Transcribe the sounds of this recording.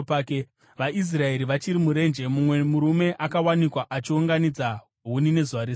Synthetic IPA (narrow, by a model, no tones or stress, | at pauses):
paːke | ʋaʔis̬rae̞ɾiʋat͡ʃiɾimuɾe̞nd͡ʒe̞mumwe̞muɾume̞ʔakawanikwaʔat͡ʃiuŋɡanid͡za | ɦunine̞zuʋaɾi